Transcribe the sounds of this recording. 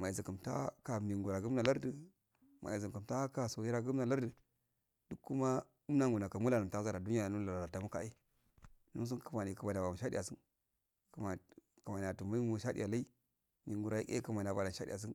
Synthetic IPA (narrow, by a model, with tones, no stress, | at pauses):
ma˨i˨zi˨ku˨mta̰˦ka˨ni˨ŋɡu˨ɾa˨ɡu˦m˦na˨la˦ɾdi˨ | mʔa̰˨i˨zi˨ku˨mta˦ka˨so˨ji˦ɾa˦ɡu˦mna˨la˦ɾdə˨ | du˦kːu˦ma˦ | u˦na˦ŋɡu˨na˨ka˨mu˦la˨na˨ta˦za˦ɾa˨du˦ni˦a˨nu˦la˨a˨ta˨mu˦ka̰˦i˦ | nu˦ns̬u˦nkə˦ma˨ni˨kə˨ba˨n˨a˨ba˨ma˨ʃa˦dḭ˦˨a˨si˦n | ku˨ma˨ku˨ma˨n˨a˨tu˨ma˦i˦mu˦˨ʃa˦dḭ˨ja˨la˦i˦ | mi˨ŋɡu˨ɾa˨i˦ḛ˦kə˦ma˨n˨a˨ba˨la˨ʃa˦dḭ˦˨a˨s̬i˦n